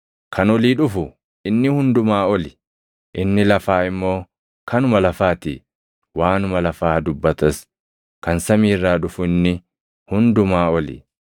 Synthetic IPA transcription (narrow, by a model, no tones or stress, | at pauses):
kʰɐnɔliːᶑʊfʊ | ɪnːɪhʊnd̪ʊmaːɔlɪ | ʔɪnːɪlɐfaːɪmːo̞ː | kɐnʊmɐlɐfaːt̪ḭ | waːnʊmɐlɐfaːd̪ʊbːɐt̪ɐs | kɐnsɐmiːrːaːᶑʊfʊɪnːɪ | hʊnd̪ʊmaːɔlɪ̰